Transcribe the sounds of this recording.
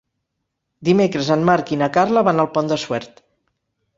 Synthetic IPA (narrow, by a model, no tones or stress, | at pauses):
d̪imekɾəzənmaɾkinəkarləβanəlˠpɔnd̪əswɛɾt̪